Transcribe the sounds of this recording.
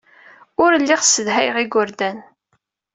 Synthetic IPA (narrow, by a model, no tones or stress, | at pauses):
ʊɾlːiʁsəðɦæjʁiɡʊɾd̪æn